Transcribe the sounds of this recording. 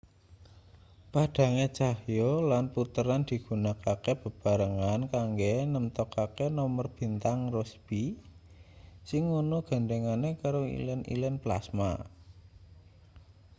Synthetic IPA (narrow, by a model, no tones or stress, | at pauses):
paɖ̥a̤ŋet͡ʃahjolanput̪əɾand̪̥i̤ɡ̥ṳnakakeb̥ə̤b̥a̤ɾəŋankaŋɡenəmt̪ɔkakenɔmərb̥i̤nt̪aŋrɔsb̥i | sɪŋunuɡ̥a̤nd̪eŋanekaɾoḭlɛnḭlɛnpla̰sma̰